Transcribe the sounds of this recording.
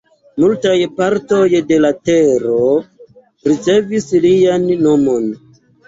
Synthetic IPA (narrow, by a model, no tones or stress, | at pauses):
multajpaɾto̞jde̞late̞ɾo̞ | ɾit͡se̞vislijanːo̞mo̞n